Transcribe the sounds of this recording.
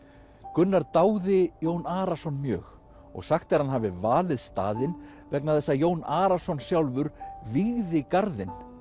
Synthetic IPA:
kʏnːaɾt̪aːwðɪjoːwnaːɾasɔnmjœ̰ːx | ɔ̰ɣsaxt̪aɾ̥hanɦaːvɪvaːlɪðst̪a̰ːðɪn | vɛknaθɛsːajoːwnaːɾasɔnsjawlvʏɾviɣðɪkaɾðɪn

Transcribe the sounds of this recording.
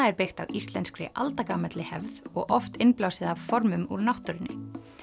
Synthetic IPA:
aɛɾpɪxt̪awʔist̪lɛnskɾɪ̰ʔa̰lt̪akamɛt̪lɪhɛvðɔɣʔɔft̪ɪnplawsɪðavfɔɾmʏmuɾnawht̪ʏɾɪnːɪ̰

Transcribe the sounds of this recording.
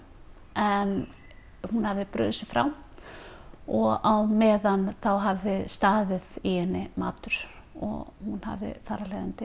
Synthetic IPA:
ɛn | hunhavðɪpɾʏ̰ːðʏsɪfɾa̰wm | ɔɣawmɛːðanθawɦavðɪst̪aːðɪðiɛnːɪma̰ːt̪ʏɾ̥ | ɔ̰ɣhunha̰vðɪ̰faːɾalɛjðant̪ɪ

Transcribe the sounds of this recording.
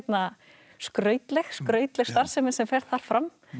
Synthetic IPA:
t̪na | skɾœːɥt̪lɛxskɾœːɥt̪lɛxst̪aɾ̥sɛmɪnsɛmfɛɾ̥ðθaɾ̥fɾam

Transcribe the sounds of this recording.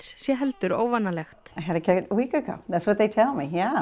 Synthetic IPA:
ssjɛɦɛlt̪ʏɾo̰ːwvanːalɛxt̪aɪɦɨɾɨkʰɪɾəwikɨɡoʊðætswʌt̪̚ðeɪtʰɛlˠmijæ

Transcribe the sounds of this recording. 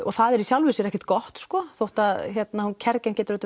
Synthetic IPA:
ɔɣθaðɛɾisjawlvʏsɪɾɛhcɛɪ̥t̪kɔht̪skɔːθowht̪aðçjɛt̪nahuncʰɛɾcancɛːt̪ʏɾœːt̪

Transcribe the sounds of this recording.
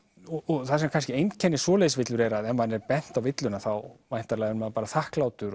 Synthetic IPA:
ɔɔɣθaðsɛmkʰanscɪejnt̪cʰɛnːɪsvɔːlɛjðʏsvɪt̪lʏɾɛɾaðɛnvanːɛɾpɛn̥t̪awvɪt̪lʏnaθawmajn̥t̪aɾlajðɾnmaðpaːɾaθahklaːwt̪ʏɾ

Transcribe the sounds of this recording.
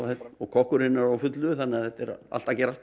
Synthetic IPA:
ɛt̪ɔɣkʰɔhkʏɾɪnːaɾawfʏt̪lʏθanːɛaðθɛht̪ɛɾa̰lt̪acɛɾaht̪

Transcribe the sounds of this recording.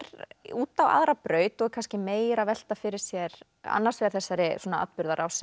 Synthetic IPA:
ɾuːt̪awa̰ðɾapɾœːɥt̪ɔɣkʰanscɪmeːjɾavɛl̥t̪afɪɾɪɾ̥sjɛɾ | a̰nːaɾsvɛːɾ̥θɛsːaɾɪswuɔnaa̰t̪pʏɾðaɾʔawsɪ

